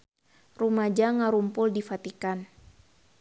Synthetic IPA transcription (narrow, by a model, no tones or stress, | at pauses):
rumad͡ʒaŋaɾumpʊldifat̪ikan